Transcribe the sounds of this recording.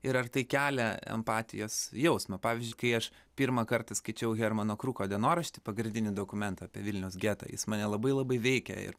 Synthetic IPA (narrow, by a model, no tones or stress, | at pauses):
ɪɾɐrt̪ɐɪkʲæːlʲɛɛ̰mpɑːt̪ʲɪ̰joːsjɛʊsmɐpɑːʋʲɪzʲd͡ʒʲʊɪkɐɪɐʃ | pʲiɾmɐkɐrt̪ɐskɐɪt͡ʃʲɛʊɣʲɛɾmɐnoːkɾuːkoːd̪ʲɛnoːɾɐʃʲt̪ʲɪ̥pɐɡɾʲɪnd̪ʲɪnʲɪd̪oːkʊmʲɛnt̪ɐɑpʲḭɛʋʲɪlʲnʲɛʊsɡʲæːt̪ɐ̰ːjɪ̰smɑːnʲɛlˠɐbɐɪlˠɐbɐɪʋʲɛɪkʲɛ̰ɪ̰ɾ